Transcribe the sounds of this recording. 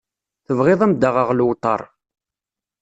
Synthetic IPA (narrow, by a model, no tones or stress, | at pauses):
θəvʁɪðˤæmd̪aʁəʁlwt̪ˤːɑ̰ɾˤ